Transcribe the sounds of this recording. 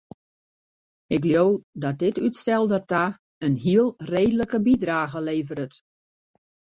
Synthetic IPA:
ɪkljowdɔt̚dɪtytstɛlˠdərta | ənɦiəlˠreːdələkəbidraːɣəleːvəɾət

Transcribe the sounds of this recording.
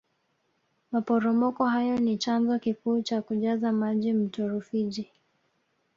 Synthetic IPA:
mapɔɾɔmɔkɔɦajɔnit͡ʃanzɔkikuːt͡ʃakuʄazamaʄim̩tɔɾufiʄi

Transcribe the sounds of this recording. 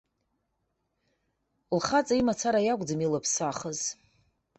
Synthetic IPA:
lχat͡sʼaimat͡sʰaɾajakʷʼd͡zɨmilapʰsaχəz̥

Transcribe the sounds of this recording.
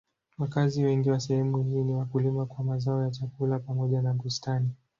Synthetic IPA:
wakaziwɛŋɡiwasɛhɛmuhiːniwakulimakwamazaɔjat͡ʃakulapamɔʄanaɓustani

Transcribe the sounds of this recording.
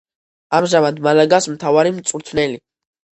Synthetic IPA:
amʒamad̪malaɡasmt̪ʰavaɾimt̪sʼuɾt̪ʰnɛli

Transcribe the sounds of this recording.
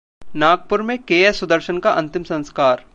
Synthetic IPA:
naːɡ̚pʊɾmẽkeːəsʊd̪əɾʃənkaʔɐ̃nt̪ɪmsɐ̃nskaːɾ

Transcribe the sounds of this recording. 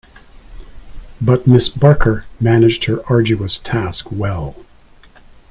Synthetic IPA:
bʌt̚mɪsbɑɹkʰə˞mænɨd͡ʒd̥̚hə˞ʔɑɹd͡ʒʉəstʰæskwɛlˠ

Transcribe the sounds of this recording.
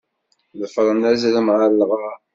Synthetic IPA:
ðəfɾˤənæzləmʁəɾlʁɑ

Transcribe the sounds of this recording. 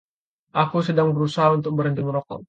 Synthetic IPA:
ʔakusədaŋbəɾusaɦaunt̪ʊk̚bəɾənt̪ɪŋɾɔkɔ̰

